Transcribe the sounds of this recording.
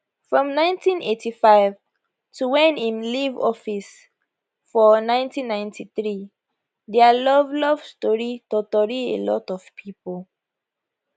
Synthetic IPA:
fɹɔ̃mnãɪ̃ntĩnetʰifaɪv | tʰuwɛ̃nĩnlivɔfis | fɔnãɪ̃ntĩnːãɪ̃ntʰiθɹi | dɛalɔvlɔv̥stɔɹitɔtɔɹiḛlɔtɔv̥pʰipol

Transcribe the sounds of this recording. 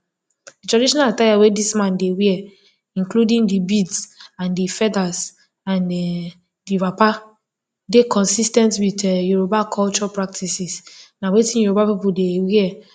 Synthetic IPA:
ditɹadiʃɔnalatajawedismãndewiɛ | ĩnkludĩŋdibidsãndifɛdas | ãnɛ | dipapa | dekʰɔ̃nsistɛ̃ntwitɛjuɹobakʰɔlt͡ʃɔpɹak̚tʰisisnawetĩnjuɹobapipudewiɛ

